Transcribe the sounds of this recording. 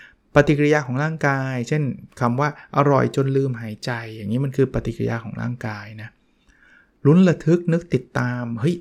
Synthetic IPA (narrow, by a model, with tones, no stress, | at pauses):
pa˧t̪i˨˩kɾi˧jaː˧kʰɔː˩˦ɾaː˥˩ŋkaː˧jt͡ɕʰe˥˩nkʰa˧mwaː˥˩ʔa˧ɾɔ̰˨˩jt͡ɕo˧nlɯː˧mɦaː˩˦jt͡ɕa˧jːaː˨˩ŋːiː˦˥ma˧nkʰɯː˧pa˧t̪i˨˩kɾḭ˧jaː˧kʰɔː˩˦ŋɾa̰ː˥˩ŋkaː˧jna˦˥ | lu˦˥nla˧t̪ʰɯ˦˥k̚nɯ˦˥k̚t̪i˨˩t̪ːaː˧mhɤ˦˥˩j